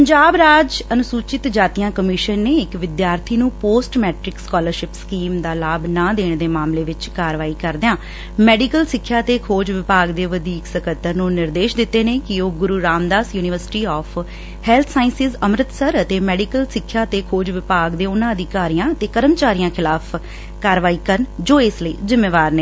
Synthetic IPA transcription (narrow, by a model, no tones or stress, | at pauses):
əɲd͡ʒaːbɾaːd͡ʒənʊsuːt͡ʃɪt̪d͡ʒaːt̪ijãːkəmɪʃənːeːɪkʋɪd̪jaːɾt̪ʰiːnũːpoːsʈmɛːʈɾɪkskɔːləɾʃɪpskiːmd̪aːlaːbnãːd̪eːɳ̃d̪eːmaːmleːʋɪt͡ʃkaːɾʋaːiːkəɾd̪ɪãː | mɛːɖikəlsɪkʰːjaːt̪eːkʰoːd͡ʒʋɪpaːɡd̪eːʋəd̪iːksəkət̪ːəɾnũːnɪɾd̪eːʃd̪ɪt̪ːeːneːkɪoːɡʊɾuːɾaːmd̪aːsjuːnɪʋəɾsɪ̥ʈiːɔːpʰ | hɛːlt̪ʰsaːɪnsɪzəmɾət̪səɾət̪eːmɛːɖiːkəlsɪkʰːjaːt̪eːkʰoːd͡ʒʋɪpaːɡd̪eːʊnãːəd̪iːkaːɾijãːət̪eːkəɾəmt͡ʃaːɾijãːkʰɪlaːpʰ | kaːɾʋaːiːkənd͡ʒoːɪsləḭːzɪmːeːʋaːɾneː